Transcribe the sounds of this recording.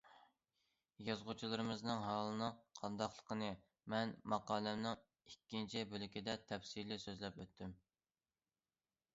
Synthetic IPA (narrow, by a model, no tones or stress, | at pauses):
jɑzʁʊt͡ʃʰulˠɨɾɨmɨznɨŋɦɑlˠɨnɨŋqʰɑnd̪ɑχlˠə̥qʰənɨ | mɛnmɑqɑːlɛmnɨŋ | ikʲːint͡ʃʰibølɪkʲid̪ɛt̪ʰɛfsilɪsøzlɛpøt̪ʰːym